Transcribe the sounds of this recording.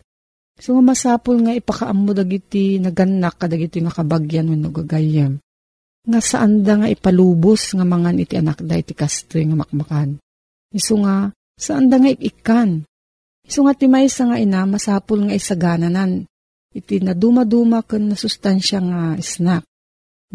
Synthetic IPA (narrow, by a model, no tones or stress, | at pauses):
soŋamasaːpolŋaɪpakaʔamːod̪aɡit̪ɪnɐɡanːakːɐd̪aɡit̪ɪŋɐkɐbaɡjanwʊnoɡaɡajam | ŋasaʔand̪aŋaʔɪpaluːbosŋamɐŋanɪt̪iʔɐnak̚d̪aʔɪt̪ikast̪ojŋamɐk̚makan | ɪsoŋa | saʔand̪aŋaɪʔɪkan | ɪsoŋat̪ɪmajsaŋaʔɪnamasaːpolŋaʔisaɡaːnanan | ʔɪt̪inɐd̪umad̪umakɨnːɐsʊst̪anʃaŋaʔɪsnak̚